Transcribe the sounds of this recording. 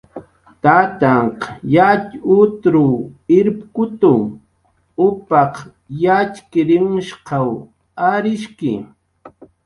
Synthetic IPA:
t̪at̪aɴqjat͡ʃʊt̪ɾʊɪɾpkʊt̪ʊ | ʊpɑq | jat͡ʃkɪɾɪmʊʃqɑw | aɾɪʃkɪ̰

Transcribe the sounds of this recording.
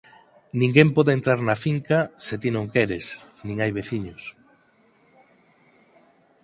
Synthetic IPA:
nĩŋɡempɔðent̪ɾaɾnafiŋkaset̪inõŋkɛɾes | nĩŋajβeθiɲʊs

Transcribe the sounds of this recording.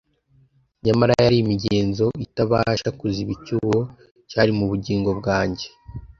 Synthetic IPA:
ɲamaɾajaɾiimiɟeːnzo̞itaβaʃakuziβicuβo | caɾimuβuɟiːŋɡo̞b̚ɡaːɲɟe̞

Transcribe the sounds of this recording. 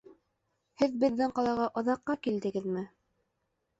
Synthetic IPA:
hɘðbɘ̆ðːɘŋqɑlˠɑʁɑʔŏðɑqːɑkild̪ɘ̆ɡɘðmɘ

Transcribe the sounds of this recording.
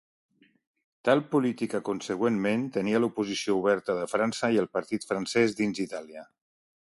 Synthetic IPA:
t̪alˠpulit̪ikəkunsəɣwenment̪əniəlupuzisiouβ̞ɛɾt̪əðəfɾansəiəlˠpəɾt̪it̪fɾənsɛzðinzit̪aliə

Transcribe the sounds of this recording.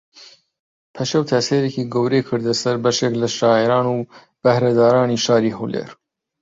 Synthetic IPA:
pʰɐʃɐwt̪ʰɐseːɾekiːɡowɾeːkʰɨɾd̪ɐsɐɾbɐʃeklɐʃɑːeɾɑːnu | b̥ɐhɾɐd̪ɑːɾɑːniʃɑːɾiɦuwlḛːɾ

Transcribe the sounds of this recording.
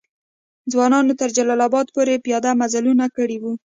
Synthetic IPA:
d͡zwɑnɑnot̪əɾd͡ʒalɑlɑbɑd̪̚poɾepijɑd̪amazalunakəɽiwu

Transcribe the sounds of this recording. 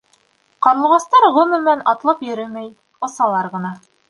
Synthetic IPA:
qɑɾɤlˠʁɑst̪ɑɾʁɵ̆mɘ̆mɘænɑt̪lˠɤpjɵ̆ɾɘmæj | ŏsɑlˠɑɾʁɤ̆nɑ

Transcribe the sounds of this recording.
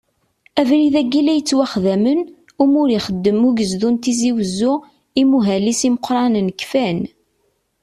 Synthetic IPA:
ævɾiðæɡːilæjət͡sːwæχðæmən | umʊɾiχəd̪ːəmuʝəzðunt̪iziwəzːʊ | imuɦælisiməqɾˤɑnənəkːfæn

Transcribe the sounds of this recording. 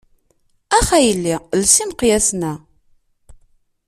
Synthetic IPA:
æχæjlːilsimqjæsnæ

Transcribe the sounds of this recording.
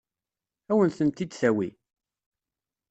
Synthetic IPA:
æwənθənt̪ːid̪θæwḭ

